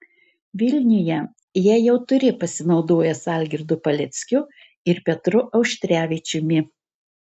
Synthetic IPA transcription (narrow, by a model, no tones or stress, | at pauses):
ʋʲɪlʲnʲɪjɛ | jiɛjɛʊt̪ʊɾʲɪpɐsʲɪnɒʊd̪oːjɛsɐˑlʲɡʲɪɾd̪ʊpɐlʲɛt̪sʲkʲʊ | ɪɾpʲɛt̪ɾʊʔɒʊʃʲt̪ʲɾʲæːʋʲɪt͡ʃʲʊmʲɪ